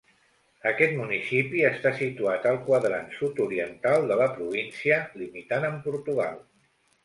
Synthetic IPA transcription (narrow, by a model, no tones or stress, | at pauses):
əkɛt̪munisipiəst̪asit̪uat̪əlˠkwəðɾa̰nsut̪uɾiənt̪alˠd̪ələpɾuβinsiəlimit̪anəmpuɾt̪uɣ̞a̰lˠ